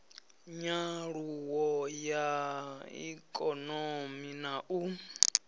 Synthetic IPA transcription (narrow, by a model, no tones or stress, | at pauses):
ɲaɺuwɔjaḭkʼɔnominaʔu